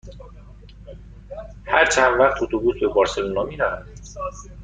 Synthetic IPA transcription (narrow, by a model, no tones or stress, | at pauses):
hæɾt͡ʃʰænd̪væχt̪ʰot̪ʰobuːsbebɒːɾse̞luːnɒːmiːɾævæ